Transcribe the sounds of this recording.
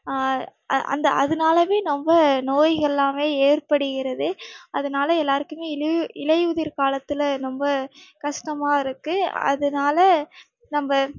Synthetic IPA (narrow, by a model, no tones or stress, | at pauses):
ʔɐ̰nd̪ɐɐ̰ðɐnaːlɐʋeːnɔmbɐnoːjɣɐɛlːaːmeːeːrpɐɽɯɣɪrɐðɯɐðɐnaːlɐɛlːaːɾɯkːɯmeːɪlɪlɐjuðɪɾkaːlɐt̪ːɪlɐnɔmbɐkɐʂʈɐmaːɪɾɯkːɯɐ̰ðɐnaːlɐ | nɐmbɐ